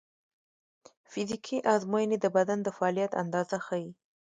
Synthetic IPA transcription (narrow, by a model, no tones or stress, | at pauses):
fɪzikʰiʔɑzmojəned̪əbad̪and̪əfaɑlijat̪a̰nd̪ɑzaxawi